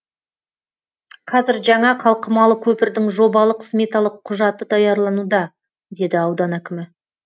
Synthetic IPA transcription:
qʰɑzɪɾʒɑɴɑqʰɑlˠqəmɑlˠəkʲʰɵpɪɾd̪ɪŋʒo̞bɑlˠəqsmʲet̪ɑlˠəqʰːʊʒɑt̪ːəd̪ɑjɑɾlˠɑnud̪ɑ | d̪e̞d̪ɪɑwd̪ɑnækʲɪmɪ

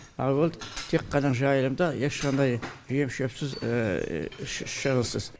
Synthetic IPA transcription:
ɑ̰wolˠd̪ət̪ʰeqːɑnɑʒɑjəlˠəmd̪ɑjeʃqɑnd̪ɑjʒije̞mʃøpsɪz̰ | ʃʃəɾəlˠsəz

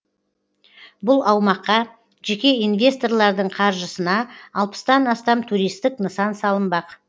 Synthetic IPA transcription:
bʊlˠɑwmɑqːɑ | ʒekʲe̞invʲe̞st̪o̞rlˠɑɾd̪əɴqʰɑɾʒəsənɑɑlˠpə̥st̪ɑnɑst̪ɑmt̪ʰuɾijst̪ɪknəsɑnsɑlˠəmbɑq

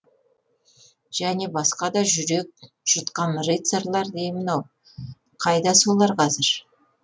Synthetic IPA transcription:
ʒ̥æne̞bɑsqɑd̪ɑʒʏɾe̞k̚ | ʒ̥ʊt̪qɑnrejt̪seɾlˠɑɾd̪ejmɪnɑw | qʰɑjd̪ɑsolˠɑɾqʰɑzɪɾ

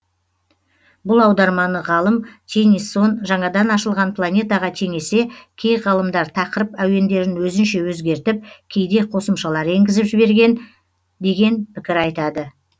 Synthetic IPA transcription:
bʊlˠɑwd̪ɑɾmɑnəʁɑlˠəmt̪ʲʰe̞nisːo̞nʒɑɴɑd̪ɑnɑʃəlˠʁɑnpʰlˠanʲe̞t̪ɑʁɑt̪ʰe̞ŋe̞se̞kʲʰe̞jʁɑlˠəmd̪ɑɾt̪ʰɑqəɾəpæw̪e̞nd̪e̞ɾɪnwɵzɪnʃe̞wɵzɡʲe̞ɾt̪ɪp̚kʲʰe̞jd̪e̞qʰo̞səmʃɑlˠɑɾe̞ŋɡʲɪzɪpʒɪbe̞ɾɡʲe̞n | d̪e̞ɡʲe̞npʰɪkʲɪɾɑjt̪ɑd̪ə

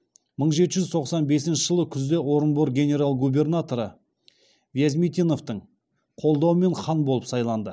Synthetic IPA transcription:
məɴʒe̞t̪ɪʒʏzt̪ʰo̞qsɑnbe̞sɪnʃɪʒəlˠəkʲʰʏzd̪e̞wo̞ɾənboɾɡʲe̞nʲe̞ɾalˠɡubʲe̞rnat̪o̞ɾə | vʲjazʲmit̪ʲino̞ft̪əɴ | qʰo̞lˠd̪ɑwəme̞ɴχɑnbo̞lˠəpsɑjlˠɑnd̪ə

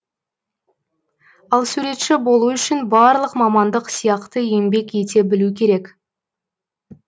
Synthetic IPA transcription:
ɑlˠsuɾe̞t̪ʃɪbo̞lˠuʏʃɪnbɑɾlˠəqmɑmɑnd̪əqsijɑqt̪əe̞mbe̞kʲe̞t̪e̞bɪlukʲʰe̞ɾe̞k

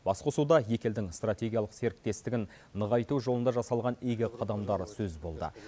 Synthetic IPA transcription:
b̥ɑsqosud̪ɑje̞kʲe̞ld̪ɪŋst̪rat̪ʲe̞ɡʲijɑlˠəqse̞ɾɪk̚t̪e̞st̪ɪɡʲɪn | nəʁɑjt̪uʒo̞lənd̪ɑʒɑsɑlˠʁɑnejɡʲɪqʰɑd̪ɑmd̪ɑɾsɵzbo̞lˠd̪ə̰

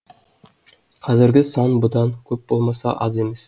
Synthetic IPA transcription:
qʰɑzɪɾɡʲɪsɑnbʊd̪ɑŋkʲʰɵp̚b̥olˠmɑsɑ̰ʔɑzemes

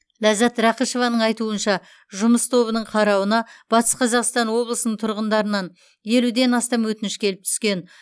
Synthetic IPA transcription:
læzɑt̪ɾɑqiʃo̞vɑnəɴɑjt̪uənʃɑ | ʒʊməst̪ʰo̞βənəɴqʰɑɾɑwənɑb̥ɑt̪ʰə̥sqʰɑzɑqst̪ɑnwo̞blˠəsənəɴt̪ʰʊɾʁənd̪ɑɾənɑn | je̞lud̪e̞nɑst̪ɑmwɵt̪ɪnɪʃkʲʰe̞lɪp̚t̪ʰʏ̥skʲe̞n

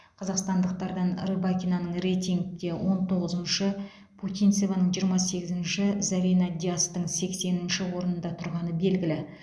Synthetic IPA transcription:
qʰɑzɑqst̪ɑnd̪əq̚t̪ɑɾd̪ɑnrɨbakʲinanəɴre̞jt̪iŋɡɡ̪ʲewʔo̞nt̪ʰo̞ʁəzənʃə | pʰut̪ijnt̪sevanəɴʒijəɾmɑse̞ɡʲɪzɪnʃɪzavinɑd̪ʲiast̪əɴse̞kse̞nɪnʃɪwo̞ɾənənd̪ɑt̪ʰʊɾʁɑnəbe̞lɡʲɪlɪ

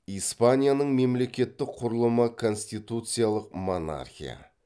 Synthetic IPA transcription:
ijspanʲijanəɴme̞mle̞kʲe̞t̪ːɪkqʰʊɾəlˠəməkʰo̞nsʲt̪ijt̪ut̪sɨjalˠəqmo̞na̰rxʲḭja̰

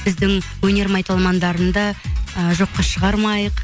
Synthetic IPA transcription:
ɪzd̪ɪŋwɵne̞ɾmɑjt̪ɑlˠmɑnd̪ɑɾənd̪ɑʒo̞qːɑʃəʁɑɾmɑjəq

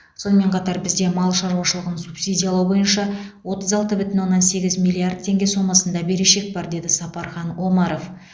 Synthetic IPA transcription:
so̞nəme̞ɴqʰɑt̪ɑɾbɪzd̪e̞mɑlˠʃɑɾuwɑʃəlˠəʁənsupsijd̪ʲijɑlˠɑwbo̞jənʃɑ | wo̞t̪əzɑlˠt̪əbʏt̪ɪnwo̞nːɑnse̞ɡʲɪzmʲijlʲːˠiard̪̚t̪ʰːe̞ŋɡʲe̞so̞mɑsənd̪ɑbe̞ɾeʃe̞k̚bɑɾd̪e̞d̪ɪsɑpɑɾχɑnʔo̞mɑɾo̞f

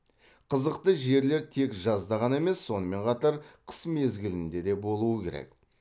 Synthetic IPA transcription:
qʰəzəqt̪əʒe̞ɾle̞ɾt̪ʰe̞kʒɑzd̪ɑʁɑne̞me̞sːo̞nəme̞ɴqʰɑt̪ɑɾqʰə̥sme̞zɡʲɪlɪnd̪e̞d̪e̞bo̞lˠuəkʲʰe̞̰ɾḛk̚

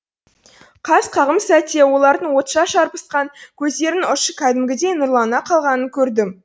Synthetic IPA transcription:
qʰɑsqʰɑʁəmsæt̪ewo̞lˠɑɾd̪əɴwo̞t̪ʃɑʃɑɾpə̥sqɑŋkʲʰɵzd̪e̞ɾɪnʊʃəkʲʰæd̪ɪmɡʲɪd̪e̞jnʊɾlˠɑnɑqʰɑlˠʁɑnəŋkʲʰɵɾd̪ɪm

